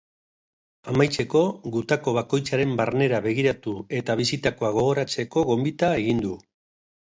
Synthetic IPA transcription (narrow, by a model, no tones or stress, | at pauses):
amajt͡se̞ko̞ɣut̪ako̞β̞ako̞jt͡saɾe̞mbaɾne̞ɾaβe̞ɣ̞iɾat̪ue̞t̪aβ̞isit̪akoaɣ̞o̞ɣ̞o̞ɾat͡se̞ko̞ɣo̞mbit̪ae̞ɣind̪u